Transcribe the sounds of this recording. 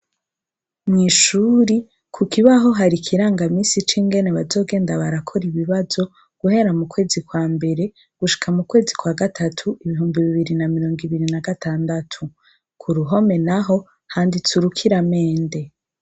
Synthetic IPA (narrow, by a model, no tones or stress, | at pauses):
mɲiʃuːɾi | kʰukiβaɦo̞ɦaɾikʰiɾaːŋɡamiːsit͡ʃiːŋɡe̞ne̞βazo̞ːɡe̞ːndaβaɾakʰo̞ɾiβiβazo̞ | ɡ̥uɦe̞ɾamukwe̞ːzikwaːmbe̞ɾe̞ | ɡ̥uʃi̥kʰamukwe̞ːzikwaːɡatʰatʰuʔiβiɦuːmbiβiβiɾinamiɾo̞ːŋɡiβiɾinaɡatʰaːndatʰu | kʰuɾuɦo̞me̞naɦo̞ | haːndit͡suɾukʰiɾame̞ːnde̞